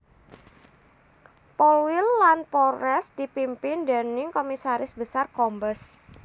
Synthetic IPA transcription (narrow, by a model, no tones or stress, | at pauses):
pɔlwɪlːanpɔɾɛsd̥ipimpɪndanɪŋkomisaɾɪsbəsarkɔmbəs